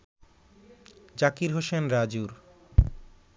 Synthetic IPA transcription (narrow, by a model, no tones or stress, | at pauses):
d͡ʑakiɾɦoʃenɾad͡ʑuɾ